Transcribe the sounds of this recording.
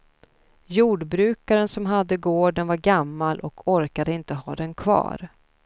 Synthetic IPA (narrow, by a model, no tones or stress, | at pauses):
juːɖbɾʉ̟ːkaɾənsɔmɦad̪ːəɡoːɖənvaɾɡamːalʔɔkʰɔɾkad̪əɪnt̪əɦɑ̰ːd̪ɛnkʰvɑ̰ːɾ